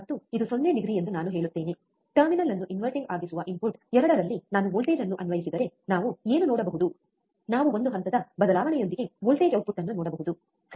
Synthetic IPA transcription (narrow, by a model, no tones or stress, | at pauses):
t̪ːuid̪usonːeɖiɡɾie̞nd̪unaːnuɦe̞ːɭut̪ːe̞ːne̞ | ʈɐɾminɐlːɐnːuʔinʋɐɾʈiŋɡaːɡisuʋɐʔimpuɾʈɛɾɐɽɐɾɐlːinaːnuʋoːlʈeːd͡ʒɐnːuʔɐnʋɐjisid̪ɐɾe̞naːʋue̞ːnunɔːɽɐbɐɦud̪u | naːʋuo̞nd̪uɦɐnt̪ɐd̪ɐbɐd̪ɐlaːʋɐɳɛjo̞nd̪iɡe̞ʋoːlʈeːd͡ʒɐw̚puʈːɐnːunɔːɽɐbɐɦud̪u | s